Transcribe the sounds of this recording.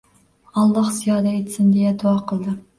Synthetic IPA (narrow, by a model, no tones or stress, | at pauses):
ɑlˠːɑhzijɑːd̪ɛet̪sɪnd̪ejɛd̪uɑqʰəlˠd̪ɨ